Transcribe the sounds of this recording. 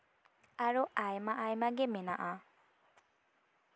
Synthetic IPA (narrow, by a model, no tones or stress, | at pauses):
aɹuajmaʔajmaɡɛmɛnaʔa